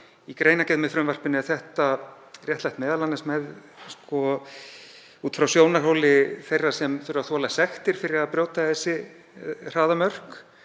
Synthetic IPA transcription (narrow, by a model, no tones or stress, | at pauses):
ikɾeːjnacɛðmɛðfɾʏmvar̥pɪnɪɛθɛht̪a | r̥jɛht̪lajht̪mɛːðalanːasmɛðskʰɔ | uːt̪fɾawsjoːwnar̥ɦowlɪθejrːḁsɛmθɪɾaθwɔalasɛxt̪ɪɾ̥fɪɾɪɾaðpɾjoːwt̪aθɛsːɪ | r̥aːðamœr̥k